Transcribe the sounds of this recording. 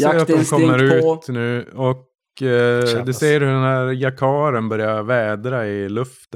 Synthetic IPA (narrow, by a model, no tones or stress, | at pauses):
eːɾat̪ɔmkʰɔmːəɾʉːtnʉ̟ːɔk | d̪ɵsejəɾhɵɖɛnæːɾjakʰɑːɾənbœɾjavɛːd̪ɾaɪlɵft̪ə